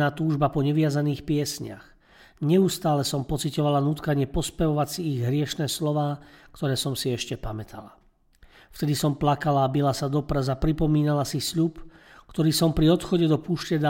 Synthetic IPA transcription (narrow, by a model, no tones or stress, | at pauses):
aːt̪uːʒbapɔɲɛʋɪazaniːxpɪɛsɲa̰x | ɲɛust̪aːlɛsɔmpɔt͡sicɔʋalanuːt̪kaɲɪɛpɔspɛʋɔʋasiːɣɦɾɪɛʃnɛːslɔʋaːkt̪ɔɾɛːsɔmsiɛʃcɛpamɛt̪ʰa̰la | ft̪ɛd̪isɔmplakalaːbilasad̪ɔpɾɛzapɾipɔmiːnalasisʎup | kt̪ɔɾiːsɔmpɾiɔt̪xɔɟɛd̪ɔpuːʃcɛd̪a